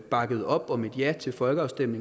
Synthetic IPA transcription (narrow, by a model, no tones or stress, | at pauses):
b̥ɑ̈ɡ̥əð̞̩ˠɒ̽b̥ɒ̽me̝d̥jæɐt͡sʰe̝lfɒ̽lɡ̥əɑ̈ʊsd̥em̰ne̝